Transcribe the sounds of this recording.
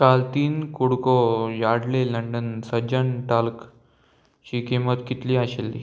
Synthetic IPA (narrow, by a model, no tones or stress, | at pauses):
kalt̪iːnkuɽkojaɽleləɳɖənsəd͡ʑəɳʈalk | t͡ɕiːkemət̪kit̪liːaɕelːḭː